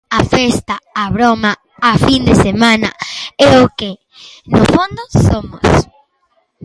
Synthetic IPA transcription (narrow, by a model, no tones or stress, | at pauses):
afest̪aːβɾoma | afind̪esemãna̰ɛoke | no̰fõnd̪osomos